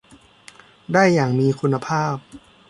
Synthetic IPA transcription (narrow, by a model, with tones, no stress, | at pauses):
daː˥˩jːaː˨˩ŋmiː˧kʰu˧nːa˧pʰaː˥˩p̚